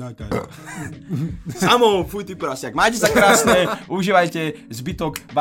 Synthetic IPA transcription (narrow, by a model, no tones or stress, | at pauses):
samɔfujt̪ipuɾasaɡmaːcɛsakɾaːsnɛʔuʒiːʋajcɛzbit̪ɔkva